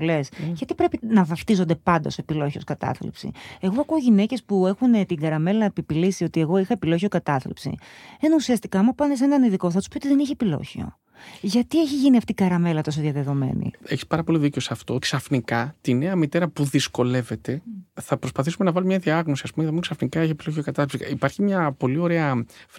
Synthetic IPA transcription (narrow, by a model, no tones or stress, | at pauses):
le̞sʝɐt̪ipɾe̞pinɐvɐft̪izo̞nd̪e̞pɐnd̪ɐsoepilo̞çio̞skɐt̪ɐ̰θlḭpsḭe̞ɣo̞ɐkuoʝine̞ce̞spue̞xunet̪iŋɡɐɾɐme̞lɐnɐepipilisio̞t̪ie̞ɣo̞ixɐepilo̞çio̞kɐt̪ɐθlḭpsḭenɐusiɐst̪i̥kɐːmɐpɐnesenɐniðiko̞θɐt̪u̥spiot̪iðe̞niçepilo̞̰çio̞̰ | ʝɐt̪ie̞çiʝiniɐft̪ikɐɾɐme̞lɐt̪o̞s̬oðjɐðe̞ðo̞me̞̰nḭeçi̥spɐɾɐpo̞liðiceosɐft̪o̞ksɐfnikɐt̪ine̞ɐmit̪e̞ɾɐpuðisko̞le̞ve̞t̪e̞θɐpɾo̞spɐθisume̞nɐvɐlumɲɐðiɐɣno̞siɐspumeɐðmuksɐfnikɐiçepilo̞çiokɐt̪ɐθipsiipɐɾçimɲɐpo̞lio̞ɾe̞ɐf